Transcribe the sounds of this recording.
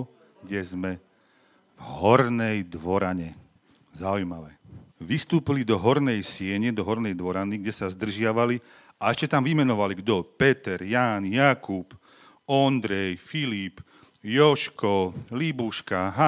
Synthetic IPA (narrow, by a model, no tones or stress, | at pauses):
ɡɟɛzmɛ | vɦɔɾnɛjd̪ʋɔɾaɲɛ | zaujmaʋɛʋist̪uːpilid̪ɔɦɔɾnɛjsɪɛɲɛd̪ɔɦɔɾnɛjd̪ʋɔɾaniɡɟɛsazd̪r̩ʒɪaʋali | aɛʃcɛt̪amʋimɛnɔʋaliɡd̪ɔpɛt̪ɛɾjaːnjakup | ɔnd̪ɾɛjfilip | jɔʃkɔlibuʃkaɦa